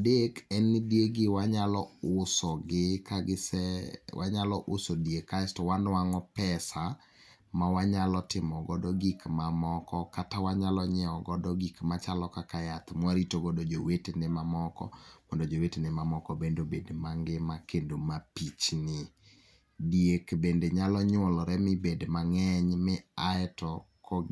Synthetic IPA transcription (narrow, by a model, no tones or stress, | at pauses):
dekɛndjeɡɪwaɲalɔʊsɔɡɪkaɡɪsɛwʔa̰ɲalɔʔʊsodiekastɔwandwaŋɔpɛsa | mawaɲalɔtɪmɔɡɔdɔɡikmamɔkɔkatawaɲalɔɲɛɔɡɔdɔɡikmat͡ʃalɔkakajat̪mwaɾitoɡɔdɔd͡ʒowetenɪmamɔkɔ̰mɔndɔd͡ʒowetenɪmamɔkɔbendobedmaŋɡɪmakendomapit͡ʃnɪ | dijekbendeɲalɔɲwɔlɔɾɛmɪbedmaŋɛɲmɪaɛtɔ | kʰɔ